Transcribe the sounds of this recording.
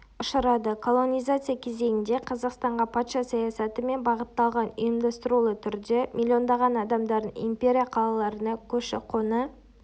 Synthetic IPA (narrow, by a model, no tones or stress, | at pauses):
ʊʃəɾɑd̪əkʰolˠo̞nijzat̪sɨjakʲʰe̞ze̞ɡʲɪnd̪e̞qʰɑzɑqst̪ɑɴʁɑpʰɑt̪ʃɑsɑjasɑt̪əme̞nbɑʁət̪ːɑlˠʁɑnijəmd̪ɑst̪əɾulˠət̪ʰʏɾd̪emʲʔilʲːio̞nd̪ɑʁɑnɑd̪ɑmd̪ɑɾd̪ənḭmpʲe̞ɾʲijaqʰɑlˠɑlˠɑɾənɑkʲʰɵʃɪ̰qʰonə